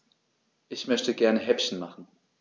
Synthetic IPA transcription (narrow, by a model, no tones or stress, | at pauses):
ʔɪçmœçtəɡɛɐnəɦɛpçn̩maχn̩